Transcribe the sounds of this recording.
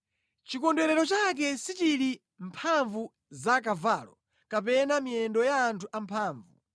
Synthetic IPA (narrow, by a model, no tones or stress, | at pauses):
t͡ʃikɔndɛɾɛɾɔt͡ʃak̬ɛsit͡ʃiɾi | mpʰaɱvu | zak̬avaːlɔ | kap̬ɛnamiɛndɔjaːntʰuʔampʰaːɱvu